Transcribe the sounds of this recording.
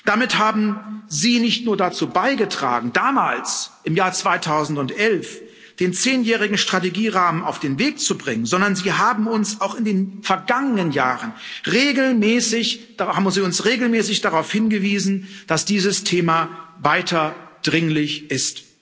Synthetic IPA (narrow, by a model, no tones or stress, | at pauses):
d̥amɪthaːbm̩ziːnɪçtnuːɐdat͡suːbaɪɡətʁ̥a̰ːɡŋ̩daːmaːlsʔɪmjaːɐt͡sv̥aɪtʰaʊzn̩tʊntʔɛlf | d̥eːnt͡seːnjɛːʁ̞ɪɡŋ̩ʃtʁ̥ateɡiːʁaːməna̰ʊfd̥eːnveːk̚t͡subʁɪŋənzɔndɐnziːɦaːbm̩ʊnsaʊxɪndeːnfɛɐɡaŋənənjaːʁənʁeːɡl̩mɛːsɪçd̥haːbmziːʊnsʁeːɡl̩mɛːsɪçd̥aʁaʊfhɪnɡəviːzn̩d̥asd̥iːzəstʰeːmavaɪtʰɐd̥ʁɪŋlɪçʔɪst